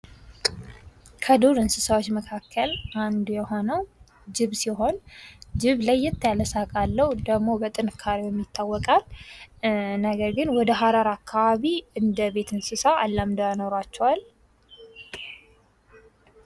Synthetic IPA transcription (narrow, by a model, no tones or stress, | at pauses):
kʰəd̪oɾɨnsɨsawot͡ʃːməkʰakʰːəlʔand̪jɛho̞nəw | d͡ʒɪβsiɦo̞nd͡ʒɪβlajːɛt̪ʰːjaləsakʼalːəwd̪əɡmo̞bət̪ʼɨnɨkʰːaɾiwjɛmːjit̪ʰːawːɔkʼal | nəɡəɾɡɨnwɔd̪əɦaɾaɾakʰːaβaβiɨnd̪əβe̞t̪ɨnsɨsaalːamd̪oano̞ɾat͡ʃːɛwal